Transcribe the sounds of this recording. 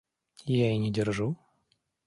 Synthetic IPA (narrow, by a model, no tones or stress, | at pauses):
jaɪnʲɪdʲɪrʐu